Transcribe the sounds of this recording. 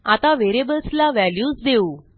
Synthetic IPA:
at̪aʋeɾebəlslaʋæljuːsd̪euː

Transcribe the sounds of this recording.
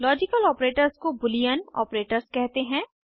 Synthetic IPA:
lɔːd͡ʒɪkəlɔːpɾeːʈəɾzkobʊlijənɔ̰ːpɾeːʈəɾzkɛɦt̪eɦɛ̃ː

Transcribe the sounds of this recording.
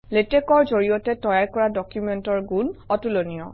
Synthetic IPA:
letɛkɔɹzoɹijɔtɛtɔjaɹkɔɹadɔkjumɛntɔɹɡunɔtulonijɔ̰

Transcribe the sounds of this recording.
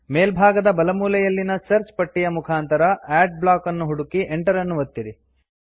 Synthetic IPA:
meːlbʱaːɡɐd̪ɐbɐlɐmuːlɐjɐlːinɐsɐɾt͡ʃpɐʈːijɐmukʰaːnt̪ɐɾɐæːɖ̚blaːkɐnːuɦuɽukiʔeɳʈɐɾɐnːuʋɐt̪ːiɾi

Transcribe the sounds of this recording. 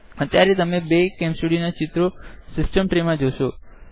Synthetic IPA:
ət̪jaɾet̪əmebekẽmsuɽinat͡ʃɪt̪ɾosɪsʈəmʈɾemãd͡ʒoʃo

